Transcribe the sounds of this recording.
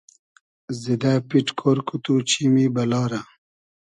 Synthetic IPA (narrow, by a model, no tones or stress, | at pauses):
zid̪apiʈkʰoɾkut̪ut͡ɕʰimibɐlɑːɾa